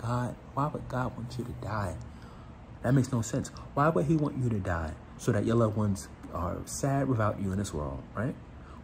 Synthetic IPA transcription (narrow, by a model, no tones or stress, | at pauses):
ɡ̥ɑd̥̚waɪbʌt̚ɡ̥ɑd̚wɑ̃nsjɨɾɨdaɪ | ðɨt̚meɪksnoʊsɛ̃nswaɪbʌd̚iwɑ̃nt͡ʃɨɾɨdaɪ | soʊðɨt͡ʃʔɨlˠʌvwʌ̃nz̥ | ʌ̰sæd̚wəθaʊt͡ʃɨə̃nðɪswɜ̰˞lˠd̥̚ɹaɪt̚